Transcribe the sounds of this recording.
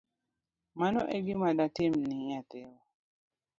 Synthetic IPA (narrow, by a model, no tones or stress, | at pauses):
manɔʔeɡɪmadatɪmniɲat̪ɛwo